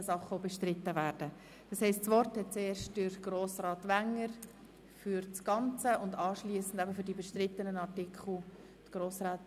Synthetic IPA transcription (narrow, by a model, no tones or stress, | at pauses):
əsɑχəobɛʃtɾɪt̪ːəvæːrd̥ə | d̥ɑshɛɪstsʋɔrthɛt̚t͡seːɾʃtd̥ɪɾɡ̥roːsrɑːt̪ʋæŋːəɾ | fyɾt͡sɡ̥ɑnt͡səʊndɑːʃliəsən̩dæbəfʏɾdibɛʃtrɪt̪ːənənɑrtɪkʰχl̩ˠ | t̪ɡ̥ɾoːsɾɑːt